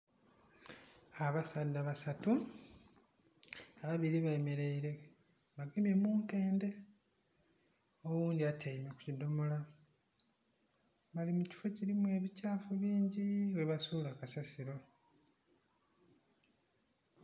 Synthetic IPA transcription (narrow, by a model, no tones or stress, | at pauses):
aβasadːaβasatu | aβaβiɾiβajeme̞ɾe̞iɾe̞ | βaɡemje̞muːnte̞ːnde̞ | owuːndiatʰejimeku̥cido̞mola | βalimuci̥fo̞ciɾimue̞ːβicaːfuβiːɲɟiwe̞βasuːlakasasiɾo̞